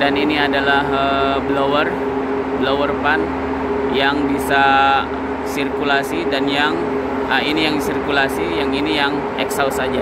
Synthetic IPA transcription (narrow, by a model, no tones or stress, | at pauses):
daniniadalahəblowər | blowərpan | jaŋbisa | sirkulasidanjaŋ | əinijaŋdisirkulasijaŋinijaŋ | ɛ̰ksawsad͡ʒa